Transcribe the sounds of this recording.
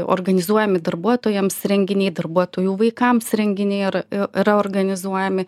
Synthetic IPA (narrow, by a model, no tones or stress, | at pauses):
o̰rɡɐnʲɪzuɔjɛmʲɪd̪ɐɾbuɔt̪oːjɛmsɾʲɛŋʲɡʲɪnʲɛɪd̪ɐrbuɔt̪oːjuːʋɐɪkɐmsɾʲɛŋʲɡʲɪnʲɛɪɪɾɪɪɾɐoːrɡɐnʲɪzuɔjɛmʲɪ